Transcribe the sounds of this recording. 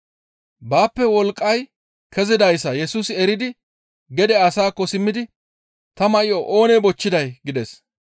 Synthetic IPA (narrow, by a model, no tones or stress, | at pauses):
baːpːɛwɔlkʼːɐj | kʰɛzɪd̪ɐjsɐjɛsuːsɪɛɾɪd̪ɪ | ɡɛd̪ɛɐsaːkːɔsɪmːɪd̪ɪ | t̪ɐmɐʔɪjoʔo̞ːnɛbɔt͡ʃːɪd̪ɐjɡɪd̪ɛs